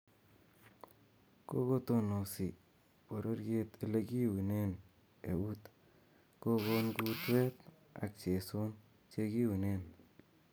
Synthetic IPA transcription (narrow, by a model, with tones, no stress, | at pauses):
ko˦ko˦t̪o˦no˨si˨ | po˨ɾo˦ɾje˦t̪e˦le˦ki˦wi˨ne˦n | e˨u˦t̪ | ko˦ko˦nku˦t̪wɛ˦t̪ | a̰˨k̚t͡ʃe˨so˦n | t͡ʃe˦ki˦wi˨ne˦n